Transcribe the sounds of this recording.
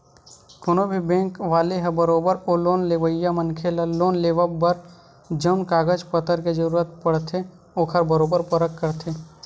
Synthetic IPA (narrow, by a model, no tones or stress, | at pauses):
kʊnobʱibẽːkʋaːleɦɛbəɾoːbəɾoloːnleːʋəjːamənkʰeləloːnleːʋabəɾ | d͡ʒəːnkaːɡəd͡ʒpət̪əɾked͡ʒəɾuːɾət̪̚pəɽt̪ʰe | oːkʰəɾbəɾoːbəɾpɐɾəkːəɾt̪ʰeː